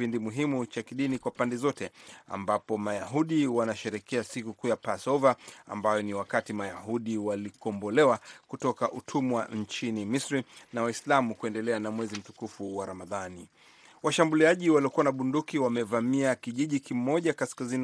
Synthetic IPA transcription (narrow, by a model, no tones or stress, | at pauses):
pindimuɦimut͡ʃakiɗinikwapandɛzɔtɛa̰mbapɔmajaɦuɗiwanaʃɛɾɛkɛasikukujapasɔvaa̰mbajɔniwakatimajaɦuɗiwalikɔmbɔlɛwakutɔkaʔutʰumwaɲt͡ʃinimisɾinawaislamukuɛndɛlɛanamwɛzim̩tukufuwaɾamaðani | waʃambuliaʄiwaliɔkuwanaɓundukiwamɛvamiakiʄiʄikimɔʄakaskazin